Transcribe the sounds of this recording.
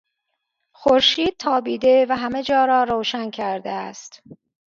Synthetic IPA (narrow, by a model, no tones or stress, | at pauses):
xoɾʃiːd̪̥̚t̪ʰɒːbiːd̪e̞væɦæme̞d͡ʒɒːɾɒːɾoːʃæncʰæɾd̪eæst̪